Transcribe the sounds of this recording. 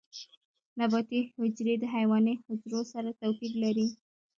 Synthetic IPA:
nabɑt̪ihʊd͡ʒɾed̪əɦajwɑnehʊd͡ʒɾosaɾat̪awpiɡlaɾi

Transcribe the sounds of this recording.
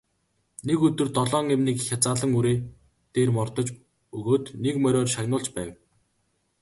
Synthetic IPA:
nekɵt̪ɵ̆rt̪ɔɮɔːŋemniːkxʲat͡saːɮə̆ŋuɾeː | t̪eːrmɔrt̪ɞ̆t͡ɕ | ɵɣoːt̪nekmœɾʲɔːrʃaɣnʊːɮt͡ɕpæːw

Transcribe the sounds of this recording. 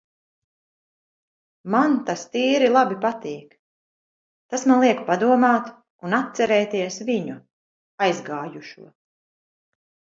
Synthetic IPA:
mant̪ast̪iːɾilˠabipat̪iːk | t̪asmanlˠiɛkpad̪uɔmaːt̪ | unat̪̚sɛɾɛːt̪iɛsviɲu | ajzɡaːjuʃṵɔ

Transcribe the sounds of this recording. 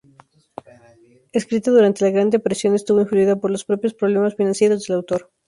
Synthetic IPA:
eskɾit̪aðuɾant̪e̞laɣɾand̪eapaɾisjo̞nest̪uβo̞iɱfluiðapoɾlospɾo̞pjo̞spɾoβle̞masfinãnsje̞ɾo̞zðe̞lawt̪o̞ɾ

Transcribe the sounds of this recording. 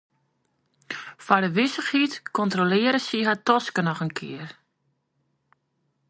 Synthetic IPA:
fadəʋɪsəxhitkɔntrolɪːəɾəsiɦatɔskənɔxənkʰɪər

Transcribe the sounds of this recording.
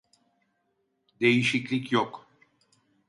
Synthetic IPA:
d̪ejiʃiclʲicjok

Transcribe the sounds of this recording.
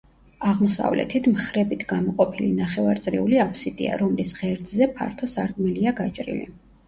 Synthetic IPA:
aʁmɔsa̰vlɛ̰t̪ʰit̪ʰmχɾɛbit̪ʰɡamɔqʼɔpʰilinaχɛvaɾt̪sʼɾḭuliapʰsid̪ʼḭa̰ɾɔmlisʁɛɾd̪zzɛpʰa̰ɾt̪ʰɔsaɾɡʼmɛliaɡat͡ʃʼɾḭlḭ

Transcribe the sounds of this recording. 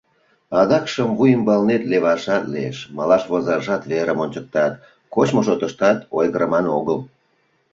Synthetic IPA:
ɑd̪ɑkʃəmvujəmbɑlnet̪leβɑʃɑt̪liḛʃmɑlɑʃβozɑʒɑt̪βeɾəmonʲt͡ɕək̚t̪ɑt̪ | kot͡ɕmoʃ̬ot̪əʃt̪ɑt̪ojɣəɾəmɑnoɣəl

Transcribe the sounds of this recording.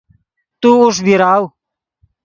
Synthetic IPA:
t̪uːuʂbʱiɾaːw

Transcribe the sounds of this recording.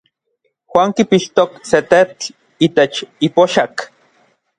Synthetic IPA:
xwaːŋkipiʃt̪okset̪ett͡ɬ | iːt̪et͡ʃipoʃak

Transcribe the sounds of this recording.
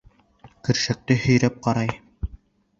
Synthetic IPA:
kɘ̆ɾʃæk̚t̪ɘhɵ̆jɾæp̚qɑɾɑj

